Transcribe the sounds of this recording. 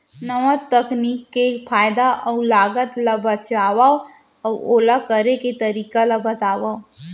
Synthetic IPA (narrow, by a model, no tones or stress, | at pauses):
nəʋat̪əkniːkːefʰaːjd̪aʔɔlaːɡət̪lɐbət͡ʃaːwao | ɔːoːlakəɾeket̪əɾiːkalɐbət̪aːwaːo